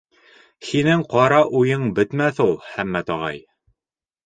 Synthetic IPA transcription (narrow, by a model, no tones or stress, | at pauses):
hinɘŋqɑɾɑʔujɤɴbɘ̆t̪mæθulˠhæmːæt̪ɒʁɑ̰j